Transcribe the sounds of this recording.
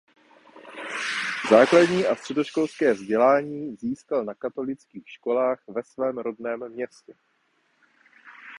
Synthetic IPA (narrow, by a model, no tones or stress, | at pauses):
zaːkladɲiːʔast̪r̝̥ɛdo̞ʃko̞lskɛːvzɟɛlaːɲiːziːskalnakat̪o̞lɪt͡skiːxʃko̞laːxvɛsvɛːmɾo̞dnɛːmːɲɛscɛ